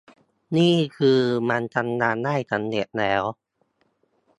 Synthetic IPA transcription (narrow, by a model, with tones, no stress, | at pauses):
niː˥˩kʰɯː˧ma˧nt͡ɕa˧nːaː˧nːa˥˩jt͡ɕa˧nːe˨˩t̪̚lɛː˦˥w